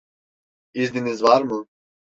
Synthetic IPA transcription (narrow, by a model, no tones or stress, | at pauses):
izd̪inizvaɾmu